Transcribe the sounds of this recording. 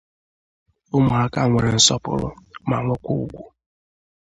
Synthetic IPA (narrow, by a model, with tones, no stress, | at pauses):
ʊ˦mʊ˨a˦ka˦˨ŋʷe˨ɾe˨n̩˦sɔ˦pʊ̰˦˨ɾʊ̰˦ma̰˨ŋʷʊ˦kʷu˦u˦˨ɡʷu˦